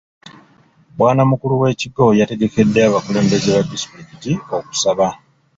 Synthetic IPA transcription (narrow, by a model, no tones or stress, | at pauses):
bwaːnamukuluwe̞ːciɡo̞jate̞ɡeke̞dːeaβakule̞ːmbe̞zeβadispɾikitio̞ku̥saβa